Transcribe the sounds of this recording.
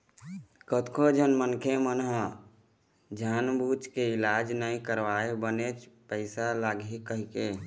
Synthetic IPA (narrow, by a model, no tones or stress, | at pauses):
kət̪kʰod͡ʒənmənkʰemənɦə | d͡ʒʱaːnbuːt͡ʃkeɪlaːd͡ʒnəĩkəɾʋaːebənet͡ʃpəɪsalaːɡikəɦke